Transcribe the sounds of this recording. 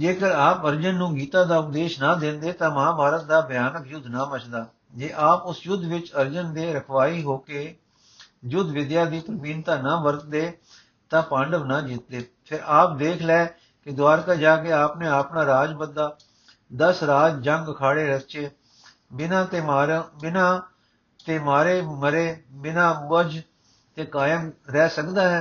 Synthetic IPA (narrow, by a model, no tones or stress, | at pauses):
d͡ʒeːkəɾaːpəɾd͡ʒənːũːɡiːt̪ãːd̪aːʊp̚d̪eːʃnaːd̪ẽːnd̪eːt̪ãːmɦãːbʱaːɾət̪̚d̪aːbjaːnəkjʊd̪ʱnaːmət͡ʃd̪aː | d͡ʒeːʔaːpʊsjʊd̪ʱʋɪt͡ʃəɾd͡ʒənd̪eːɾəkʰʋaːiːɦoːkeː | jʊd̪ʱʋɪd̪jaːd̪iːpɾbiːnt̪aːnaːʋəɾt̪̚d̪eː | t̪ãːpə̃ɳɖəʋnãːd͡ʒiːt̪̚d̪eː | pʰɪɾʔaːp̚d̪eːkʰlɛː | kɪd̪ʊaːɾkaːd͡ʒaːkeːaːpnẽːaːpnãːɾaːd͡ʒbəd̪aː | d̪əsɾaːd͡ʒd͡ʒə̃ŋɡəkʰaːɽeːɾət͡ʃeː | bɪnãːt̪eːaːɾbɪnãː | t̪eːmaːɾeːməɾeːbɪnãːəd͡ʒ | t̪eːkaːjəmɾɛːsəkd̪aːɦɛː